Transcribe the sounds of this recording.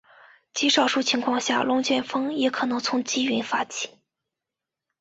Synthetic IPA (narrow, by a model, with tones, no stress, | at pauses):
t͡ɕi˧˥ʂɑ˨˩ʊʂu˥˩t͡ɕʰi˧˥ŋkʰwɑ˥˧ŋɕja̰˥˩lʊ˥ŋt͡ɕjɛ˥˩nfɤ˥ŋjɛ˧˥kʰɤ˨˩nɤ˧˥ŋt͡sʰʊ˧˥ŋt͡ɕi˥y˧˥nfa˥t͡ɕʰi̥˥˩˦